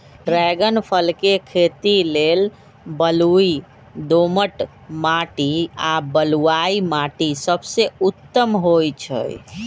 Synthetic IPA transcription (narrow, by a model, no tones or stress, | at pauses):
ɾɛɡənpʰəlkekʰet̪ilel | bəlui | d̪oməʈ | maʈiabəluaimaʈisəbseut̪ːəmɦojt͡ʃʰə̰j